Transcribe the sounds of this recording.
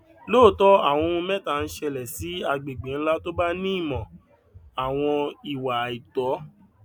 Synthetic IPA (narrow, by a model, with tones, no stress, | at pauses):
loː˦˨tɔ˦a˦˨w̃ɔ̃˧ũ˧mɛ̃˦ta˦˨n̩˦ʃɛ˧lɛ˨si˨˦a˧ɡ͡be˨ɡ͡bẽ˨n̩˦la˦to˦ba˦nĩ˦i˦˨mɔ̃˨ | a˨w̃ɔ̃˧i˨wa˨i˨tɔ˨˦